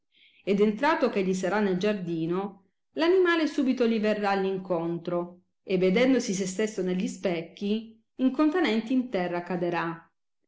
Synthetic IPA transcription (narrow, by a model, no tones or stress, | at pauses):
ed̪ent̪ɾaːt̪okeʎːis̬aɾanːeld͡ʒard̪iːno | lanimaːlesuːbit̪oliverːalːiŋkont̪ɾo | evːed̪ɛnd̪osis̬est̪esːoneʎːispɛkːiː | ŋkont̪enɛnt̪iːnt̪ɛrːakːad̪eɾa